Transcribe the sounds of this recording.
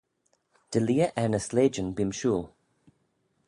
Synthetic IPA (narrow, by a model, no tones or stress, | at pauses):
d̥ɪliːəʔɛnəsleːd͡ʒənbɪmʃuːlˠ